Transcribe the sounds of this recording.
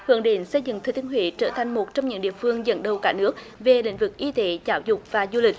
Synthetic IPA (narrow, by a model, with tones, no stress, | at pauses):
hɨ̰˧˦ŋɗe˨˦nsə˧jzɨ̰˧˨ŋt̪ʰːt̪i˧ənɦwḭ˧˨˦t͡ɕəː˧˩t̪ʰa˨˩jŋ̟mo˨˩t̚t͡ɕɔ˧wŋ͡mɲɨ̰˧˥ŋɗḭ˧˨əfɨ˧əŋzə̰˧˥nɗə˨˩wkaː˧˥nɨ˦˥ək̚ | ve˨˩lḭ̈˧˥ŋ̟vɨ˨˩k̚ʔi˧t̪e˨˦zaː˨˦wzʊ˨˩k͡p̚vaː˨˩zu˧li˨˩k̚